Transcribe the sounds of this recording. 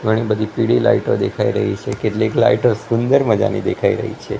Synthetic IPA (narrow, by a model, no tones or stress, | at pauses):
ɡʱəɽ̃ibəd̪ʱipiɽila̰iʈod̪ekʰaiɾəɦit͡ʃʰekeʈlikla̰iʈosund̪əɾməd͡ʒa̰nḭd̪ekʰaiɾə̰ɦḭt͡ʃʰe